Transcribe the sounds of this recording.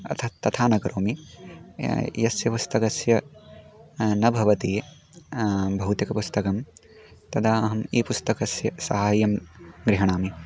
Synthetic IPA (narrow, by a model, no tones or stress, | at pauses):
ɐ̰t̪ʰɐt̪ɐt̪ʰaːnɐɡɐɾʔoːmi | jɐsjɐpust̪ɐkɐsjɐ | nɐbʱɐʋɐt̪iːe | bʱɐɦut̪jɐkɐpust̪ɐkɐm | t̪ɐd̪aːɐɦɐmiːpust̪ɐkɐsjɐsɐɦaːjɐmɡɾiɦɐɳ̃aːmi